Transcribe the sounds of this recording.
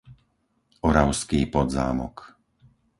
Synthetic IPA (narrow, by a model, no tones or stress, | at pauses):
ɔɾaʊskiːpɔd̪za̰ːmɔ̰k